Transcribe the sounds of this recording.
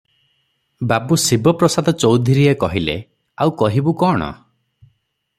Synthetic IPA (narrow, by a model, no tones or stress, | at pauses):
babusibɔpɾɔsad̪ɔt͡ʃowd̪ʱiɾiekɔɦilḛ | awkɔɦibukɔɽ̃ɔ̰